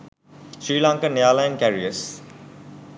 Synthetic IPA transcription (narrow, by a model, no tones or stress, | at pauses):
ʃɾiːlãŋkənejaːlajənkæɾiəs